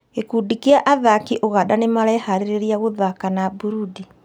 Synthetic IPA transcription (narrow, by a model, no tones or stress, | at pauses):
ekuːdikeaʔaðakiʔoɣadanemaɾɛhaɾeɾeɾiaɣoðakanabuɾudi